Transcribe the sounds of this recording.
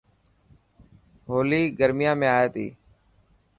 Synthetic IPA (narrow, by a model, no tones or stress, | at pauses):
ɦoːliːɡəɾmɪjãːmẽːaːeːt̪ḭː